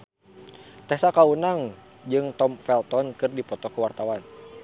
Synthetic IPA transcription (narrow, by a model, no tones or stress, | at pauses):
t̪ɛsakaunaŋ | d͡ʒɨŋt̪ɔmfɛlt̪ɔnkɨrdipɔt̪ɔkəwart̪awan